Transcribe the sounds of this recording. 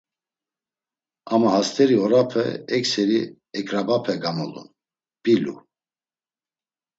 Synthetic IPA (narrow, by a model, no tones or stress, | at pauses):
amahast̪ʰɛɾiɔɾapʰɛ̰ɛksɛɾi | ɛkʼɾabapʰɛɡamɔlṵn | b̥ilṵ